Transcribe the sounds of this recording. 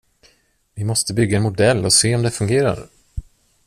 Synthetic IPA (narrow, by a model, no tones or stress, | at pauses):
vɪmɔst̪əbʏɡːaɛnmʊd̪ɛlːɔseːɔmd̪ɛfɵŋɡeːɾa̰ɾ